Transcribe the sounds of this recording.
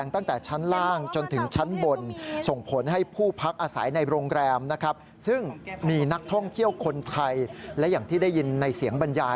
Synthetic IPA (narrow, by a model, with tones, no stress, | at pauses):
ŋt̪a˥˩ŋt̪ɛː˨˩t͡ɕʰa˦˥nlaː˥˩ŋt͡ɕo˧nt̪ʰɯ˩˦ŋt͡ɕʰa˦˥nbo˧nso˨˩ŋpʰo˩˦nɦa˥˩jpʰuː˥˩pʰa˦˥k̚ʔaː˧sa̰˩˦jna˧jɾoː˧ŋɾɛː˧mna˦˥kʰa˦˥p̚ | sɯ˥˩ŋmiː˧na˦˥k̚t̪ʰɔ˥˩ŋt̪ʰi˥˩əwkʰo˧nt̪ʰa˧jlɛ˦˥jaː˨˩ŋt̪ʰiː˥˩da˥˩ji˧nːa˧jsi˨˩˦əŋba˧njaː˧